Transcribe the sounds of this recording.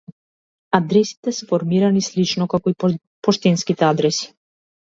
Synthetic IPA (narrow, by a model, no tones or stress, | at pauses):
ad̪ɾɛsi̥t̪ɛsɛfɔɾmiɾanislit͡ʃnɔkakɔi | pɔʃt̪ɛnskit̪ɛad̪ɾɛsi̥